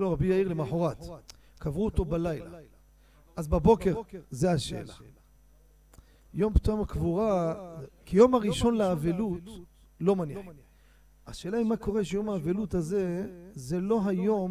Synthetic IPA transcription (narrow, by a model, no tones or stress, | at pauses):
loʁabijaiʁlemaħoʁat̪ | kavʁuot̪o̞balajla̰ | ʔazbabo̞ke̞ʁzeaʃḛːla | jo̞mpt̪uamakvuʁa | kijo̞maʁiʃo̞nlaːvelut̪ | lo̞maniħ | aʃeːlaimako̞ʁeʃejo̞maːvelut̪haze̞ze̞lo̞ɦajo̞m